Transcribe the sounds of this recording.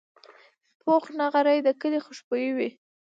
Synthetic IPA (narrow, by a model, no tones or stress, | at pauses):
pʰoxnaɣaɾajd̪əkəlexʊʃpojiwi